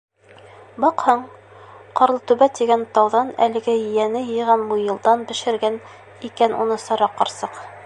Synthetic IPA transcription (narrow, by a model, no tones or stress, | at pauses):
bɑqhɑɴ | qɑɾlˠɤt̪ʉβæt̪iɡænt̪ɑwðɑnæ̰lɘ̆ɡæjɘ̆jænɘjɤ̆jʁɑnmujɤ̆lˠd̪ɑnbɘ̆ʃɘ̆ɾɡæn | ikænʔṵnɤsɑɾɑqːɑɾsɤq